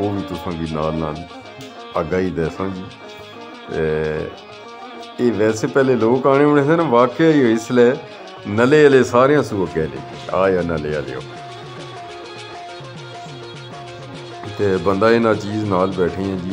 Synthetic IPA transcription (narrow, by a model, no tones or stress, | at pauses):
oːʋiːt̪ʊsãːɡiːnaːlnaːl | əɡaːiːd̪ɛːsãːd͡ʒiː | t̪e | eːʋɛːseːpɛːleːloːkaːɽ̃eːʋɪɽeːseːnãʋaːkeiːoːɪslɛː | nəleːaːleːsaːɾejãːsuːə̃ːkɛːlḛ̃ːiaːjaːnəleːa̰ːlḛːo̰ː | t̪eːbənd̪aːɪnãːt͡ʃiːznaːlbɛːʈʰiːãːd͡ʒiː